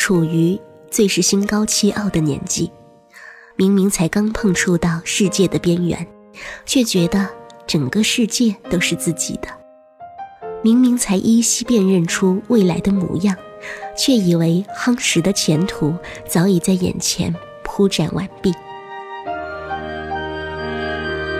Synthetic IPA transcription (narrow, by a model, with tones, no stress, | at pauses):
ʈ͡ʂʰu˨˩y˧˥ | t͡swe˥˧ɪʂɻ̩˥˩ɕi˥nkɑ˥ʊt͡ɕʰi˥˧ʔɑ˥˩ʊd̪ə˩njɛ̰˧˥nt͡ɕi˥˩ | mi˧˥ŋmi˧˥ŋt͡sʰa˧˥ɪkɑ˥ŋpʰɤ˥˧ŋʈ͡ʂʰu˥˧t̪ɑ˥˧ʊʂɻ̩˥˧t͡ɕjɛ˥˩d̪ə˩pjɛ˥nɥɛ̰˧˥n | t͡ɕʰɥɛ˥˩t͡ɕɥɛ˧˥d̪ə˧ʈ͡ʂɤ˨˩ŋkə˦ʂɻ̩˥˧t͡ɕjɛ˥˩t̪o˥ʊʂɻ̩˥˧t͡sɹ̩˥˩t͡ɕḭ˨˩d̪̥ə̥˦ | mi˧˥ŋmi˧˥ŋt͡sʰa˧˥ɪʔi˥ɕi˥pjɛ˥˧nɻə˥˩nʈ͡ʂʰu˥we˥˩ɪla˧˥ɪd̪ə˧mṵ˧˥jɑ˥˩ŋt͡ɕʰɥɛ˥˩i˨˩we˧˥ɪxɑ˥ŋʂɻ̩˧˥d̪ə˧t͡ɕʰjɛ˧˥nt̪ʰu˨˧˥t͡sɑ˧˥ʊi˨˩t͡sa˥˩ɪjɛ̰˨˩nt͡ɕʰjɛ̰˧˥n | pʰu˥ʈ͡ʂa̰˨˩nwʔa̰˨˩npi˥˩ŋ